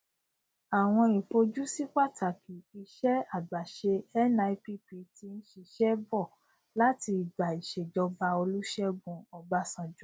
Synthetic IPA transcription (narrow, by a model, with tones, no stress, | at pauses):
a˨w̃ɔ̃˧i˨po˧d͡ʒu˦si˦k͡pa˦˨tʰa˨kʰi˨i˧ʃɛ˦a˦˨ɡ͡ba˨ʃe˧ɛ˦na˧i˧pi˦pi˧˦ti˧ñ̩˦ʃi˧ʃɛ˦bɔ˦˨ | la˦ti˧i˨ɡ͡ba˨i˨ʃe˨d͡ʒɔ˧ba˧o˧lu˦ʃɛ˦ɡ͡bũ˧ɔ˧ba˧˦sã˨d͡ʒu˨˦